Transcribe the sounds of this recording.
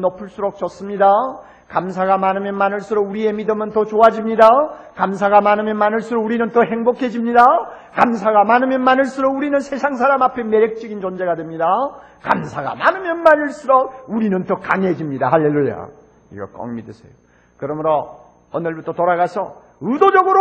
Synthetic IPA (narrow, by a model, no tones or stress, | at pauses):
nʌpʰuɭs͈uɾok̚t͡ɕʌs͈ɯmɲida | kamsʰaɡamanɯmjʌnmanɯɭs͈ɯɾouɾie̞midɯmɯntʌt͡ɕoad͡ʑimɲidakamsʰaɡamanɯmjʌnmanɯɭs͈ɯɾouɾinɯntʌhe̞ŋbokʰe̞d͡ʑimɲida | kams̬ʰaɡamanɯmjʌnmanɯɭs͈ɯɾouɾinɯnsʰe̞sʰaŋsʰaɾamapʰe̞meɾek̚t͡ɕ͈ʌɡint͡ɕʌnd͡ʑe̞ɡadwemɲida | kamsʰaɡa̰manɯmjʌnmanɯɭs͈ɯɾʌuɾinɯntʌkaŋed͡ʑimɲida̰haɭːelːua̰ | ḭɡʌ̰k͈ʌ̰ŋmidesʰḛjo | kɯɾʌmɯɾʌ | ʌnɯɭbutʰʌtoɾaɣasʰʌ | ɯdod͡ʑʌɡɯɾo